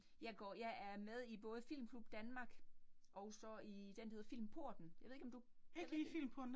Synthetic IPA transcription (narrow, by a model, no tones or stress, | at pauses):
jɑ̈ɪɡ̥ɒjɑ̈ɪæɐmeð̞ˠib̥ɔ̽ːð̞ˠfil̰m̩kʰlub̥̚d̥ænmɑ̈ːɡ̥ʔɒ̽ʊsɒ̽id̥endæhe̝ɐfil̰mpʰoɐ̰d̥n̩jɑɪe̝ðˠe̝ɡɒmd̥u | eɡ̥ifil̰mpʰoɐ̥n